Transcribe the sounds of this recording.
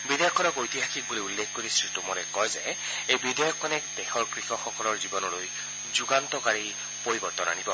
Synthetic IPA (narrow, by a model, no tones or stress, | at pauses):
bidjɔkʰːɔnɔkojt̪iɦaxʰik̚buloulːekʰkoɹisiltumɔnɛkɔjzɛ | ejbidɛjɔkʰːɔnɛkdɛxɔɹkɹixɔxɔkɔlɔɹzibɔnɔloj | zuɡantɔkaɹi | poɹibɔɹt̪ɔna̰nibɔ